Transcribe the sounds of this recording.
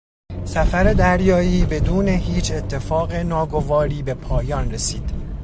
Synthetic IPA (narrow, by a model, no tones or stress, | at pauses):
sæfæɾe̞d̪æɾjɒːiːbe̞d̪uːne̞ɦiːt͡ʃʰet̪ʰːe̞fɒːɣenɒːɡo̞vɒːɾiːbe̞pʰɒːjɒːnresiːd̪̥